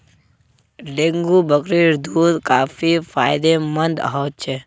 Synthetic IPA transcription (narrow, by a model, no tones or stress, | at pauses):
leŋɡubəkɾiɾd̪uːd̪kaːfifaːɪd̪emənd̪ɦoːt̪̚t͡ʃʰe